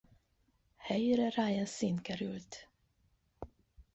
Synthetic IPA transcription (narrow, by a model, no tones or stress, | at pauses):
hœjɾəɾajənsɪnkəɾʉːt̪